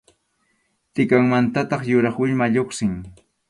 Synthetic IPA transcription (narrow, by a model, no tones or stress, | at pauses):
t̪ɪkaŋmant̪at̪ɑχjʊɾɑχwɪʎmaʎoχsɪŋ